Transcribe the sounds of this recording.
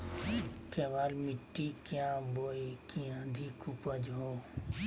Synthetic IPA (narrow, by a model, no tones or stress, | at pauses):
keːʋaːlmɪʈːiːkjãːboːekĩãd̪ʱikupəd͡ʒɦoː